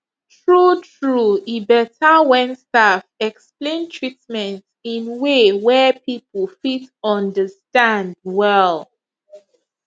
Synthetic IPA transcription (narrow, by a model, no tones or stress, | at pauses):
tɹutʰɹuibɛtʰawɛ̃nstafɛksplẽntʰɹitmɛ̃nt | ĩnwewɛpipʰəlfitɔ̃ndəstãnd̚wɛlˠ